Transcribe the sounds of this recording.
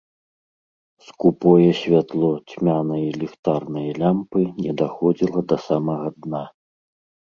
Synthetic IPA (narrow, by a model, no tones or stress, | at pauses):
skupɔjɐsʲvʲat̪lˠɔt͡sʲmʲanɐjɐlʲixt̪arnɨjɐlʲampɨnʲɛd̪axɔd͡zʲilˠɐd̪ɐsamɐɣɐd̪na